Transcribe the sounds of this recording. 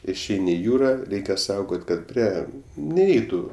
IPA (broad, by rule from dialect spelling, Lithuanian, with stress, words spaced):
ɪʃʲˈɛɪnʲɪ ɪ ˈjuːrɐ ˈrʲɛɪkʲɛ ˈsɐʊɡoːtʲ kɐt ˈpʲrʲiɛ nʲɛɪˈɛɪtʊ